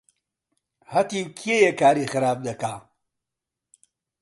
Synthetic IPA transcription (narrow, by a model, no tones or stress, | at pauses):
hɐt̪ikʰijejekaːɾiːxɨɾaːb̚d̪ɐkaː